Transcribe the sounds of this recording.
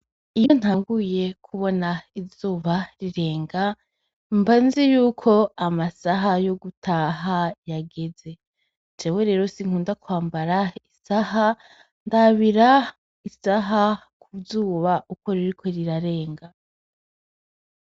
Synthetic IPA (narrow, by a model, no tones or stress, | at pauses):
ijo̞n̥haːŋɡuje̞kʰuβo̞naivzuːβaɾiɾe̞ːŋɡa | mbanzejuːkʰo̞amasaɦajo̞ɡutʰaɦajaɡe̞ze̞ | d͡ʒeweɾe̞ːɾo̞siŋ̥uːndakwaːmbaɾaisaha | ndaβiɾa | isaɦa | kʰuvzuːβaʔuko̞ɾiɾikʰo̞ɾiɾaɾe̞ːŋɡa